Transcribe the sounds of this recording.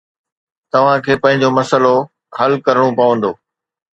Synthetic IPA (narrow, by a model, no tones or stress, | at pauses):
t̪ɐʋ̤ãkʰeːpɐ̃ɦɪ̃ɲ̆d͡ʑomɐsəlo | ɦɐlkɐɾəɽ̃õpɐʋə̃nd̪oː